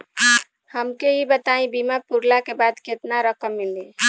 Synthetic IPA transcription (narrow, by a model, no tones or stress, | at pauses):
həmkeibət̪aĩbimapuɾlakebad̪ket̪naɾəkəmːili